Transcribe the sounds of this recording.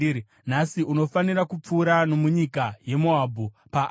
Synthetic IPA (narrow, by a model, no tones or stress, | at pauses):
nasiʔuno̞fanirakup͡fuːɾano̞muɲikaje̞moaːbʱu | paʔ